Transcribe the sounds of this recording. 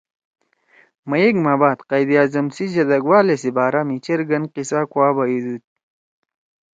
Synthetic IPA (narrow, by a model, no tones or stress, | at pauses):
mɐjeɡmaːbaːt̪qɐjb̪ijaːzɐmsiʑɐd̪ɐɡwaːlesibaːɾamit͡ɕeɾɡɐnqisakwaːbajid̪ut̪̚